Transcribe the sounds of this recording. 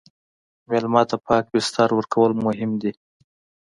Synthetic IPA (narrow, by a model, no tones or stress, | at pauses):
mɑlumɑt̪apʰɑk̚bɪst̪ɑɾwəɾkʰawəlmʊɦɪmd̪i